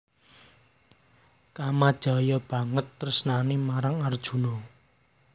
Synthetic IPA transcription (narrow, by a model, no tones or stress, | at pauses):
kamad̥ʒ̥a̤jɔb̥ä̤ŋət̪ːərsənanimaɾaŋard̥ʒ̥ṳnɔ